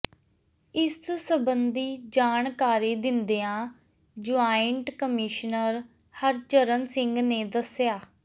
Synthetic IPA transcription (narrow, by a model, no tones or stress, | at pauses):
ɪssəbənd̪iːd͡ʒaːɳkaːɾiːd̪ɪnd̪eːãː | d͡ʒʊaːɪəɳʈkəmɪʃnəɾ | həɾt͡ʃəɾənsɪŋɡneːd̪əsɪjaː